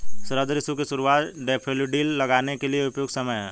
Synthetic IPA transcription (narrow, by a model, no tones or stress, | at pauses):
sɐɾəːd̪əɾɪsukeʃʊɾuwaːt̪ɖeːpʰeluɖiːlːɐɡaːnekelieʊpjoːɡsɐməjɦɛ̰̃ː